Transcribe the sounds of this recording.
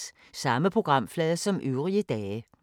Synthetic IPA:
sɑ̈məpʰʁo̝ɡ̥ʁɑ̈m̰flɛːðˠsɒ̽mʔyʊʁiəd̥ɛː

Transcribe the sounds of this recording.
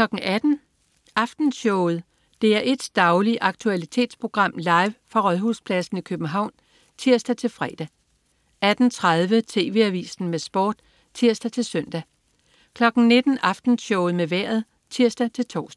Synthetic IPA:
kʰlɒ̽ɡ̥n̩ʔæd̥n̩ | ɑ̈fd̥n̩sɔʊð̞̩ˠ | d̥e̝æɐʔe̝d̥d̥ɑ̈ʊliʔɑ̈ɡ̥̚t͡sʰuælit͡sʰe̝̰ːd̥spʰʁo̝ɡ̥ʁɑ̈m̰lɑ̈ɪʋfʁɑ̈ʁɒðˠɦuspʰlæsn̩ikʰøb̥n̩ɦɑ̈ʊ̰n | t͡sʰiɐ̰sd̥æt͡sʰe̝lfʁɛ̰ːd̥æ | æd̥n̩t͡sʰʁað̞ˠʋət͡sʰe̝̰ːʋe̝æʋḭːsn̩mesb̥ɒ̰ːd̥ | t͡sʰiɐ̰sd̥æt͡sʰe̝lsœn̰d̥æ | kʰlɒ̽ɡ̥n̩ne̝d̥n̩ɑ̈fd̥n̩ɕɔʊð̩ˠmeʋæɐ̰ð̞ˠ | t͡sʰiɐ̰sd̥æt͡sʰe̝lt͡sʰɒ̰ːsd

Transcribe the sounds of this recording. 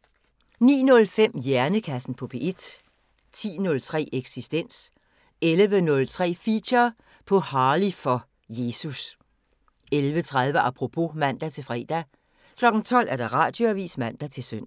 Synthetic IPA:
nḭːnɔ̽lfem̰jæɐnəkʰæsn̩pʰɒ̽pʰe̝ʔed̥ | t͡sʰḭːnɔ̽lt͡sʰʁɛ̰ːʔeɡ̥sisd̥en̰s | elʋənɔ̽lt͡sʰʁɛ̰ːfiɕɐ | pʰɒ̽hɑ̈ːlifɒ̽ | je̝ːsus | elʋət͡sʰʁɑð̞ˠʋəʔɑpʰʁo̝pʰo̝mæn̰d̥æt͡sʰe̝lfʁɛ̰ːd̥æ | kʰlɒ̽ɡ̥n̩t͡sʰɒ̽l̰ʔæɐd̥ɑ̈ʁɑ̰̈ːd̥joæʋḭːsmæn̰d̥æt͡sʰe̝lsøn̰

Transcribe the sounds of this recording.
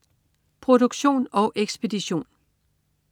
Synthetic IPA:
pʰʁo̝ɾ̥oɡ̥ɕo̝̰ːnɒ̽ʔeɡ̥sb̥e̝d̥iɕo̝̰ːn

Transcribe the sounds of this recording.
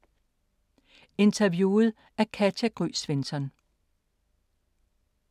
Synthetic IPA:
e̝nt͡sʰæʋjuːð̞̩ˠ | æɐkʰædjæɡ̥ʁy̰ːsʋensɒ̽n

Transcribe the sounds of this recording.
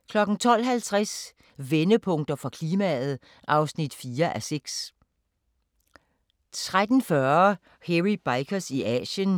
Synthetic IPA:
kʰlɒ̽ɡ̥n̩t͡sʰɒ̽l̰ɦælt͡sʰʁas | ʋenəpʰɔ̽ŋ̰d̥ɐfʁɑ̈kʰliːmæð̞̩ˠ | ʔɑ̈ʊsnid̥fiːɐʔæseɡ̥s | t͡sʰʁad̥n̩fɶɐ | heʁib̥ɑ̈ɪkʰɐsiʔɛ̰ːɕən

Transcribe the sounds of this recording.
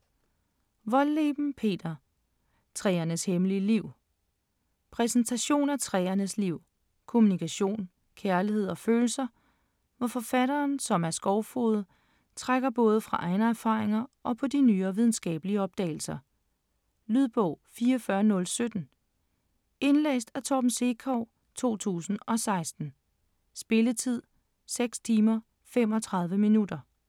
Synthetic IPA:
ʋɒ̽lːeːb̥n̩pʰe̝̰ːd̥ɐ | t͡sʰʁɛːɐnəshemliəliʊ̰ | pʰʁɛsn̩t͡sʰæɕo̝̰ːnæt͡sʰʁɛ̰ːɐnəsliʊ̰ | kʰo̝munikʰæɕo̝̰ːn | kʰæɐlihe̝ð̞̰ˠɒ̽føːl̩sɐ | ʋɒfɒ̽fæɾɐːnsɒ̽mæɐsɡ̥ɒʊfoːðˠə | t͡sʰʁaɡ̥ɐb̥ɔ̽ːð̞ˠəfʁɑ̈ʔɑ̈ɪnɐæɐfɑ̰̈ːʁeŋɐʔɒ̽pʰɒ̽dinyːɐʋið̞ˠn̩sɡ̥ɛ̰ːb̥əliəɒ̽b̥̚d̥ɛ̰ɪl̩sɐ | lyðˠb̥ɔʊ̰fiːɐɒfɶɐnɔ̽lsød̥n̩ | e̝nlḛːsd̥æt͡sʰɒb̥n̩se̝kʰɒʊ̰ | t͡sʰo̝̰ːt͡sʰṵːsn̩ɒ̽sɑ̈ɪsd̥n̩ | sb̥e̝lət͡sʰið̞̰ˠ | seɡ̥st͡sʰiːmɐ | fem̰ɒ̽t͡sʰʁɑ̈ð̞ˠʋəminud̥ɐ

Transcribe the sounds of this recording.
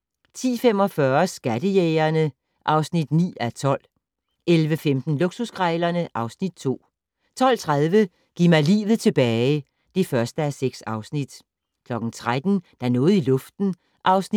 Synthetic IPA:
t͡sʰḭːfem̰ɒ̽fɶːɐsɡ̥æd̥əjeːɐnə | ʔɑ̈ʊsnid̥nḭːæt͡sʰɒ̽l̰ | ʔelʋəfemd̥n̩loɡ̥susɡ̥ʁɛɪlɐnəʔɑ̈ʊsnid̥̚t͡sʰo̝̰ː | t͡sʰɒ̽l̰t͡sʰʁað̞ˠʋə | ɡ̥imæɪlḭːʋð̞̩ˠt͡sʰe̝b̥ɛːɪ | d̥ifɶɐsd̥əæseɡ̥sɑ̈ʊsnid̥ | kʰlɒ̽ɡ̥n̩t͡sʰʁad̥n̩d̥ɑnɔ̽ːð̩ˠilɔ̽fd̥n̩ | ʔɑ̈ʊsn

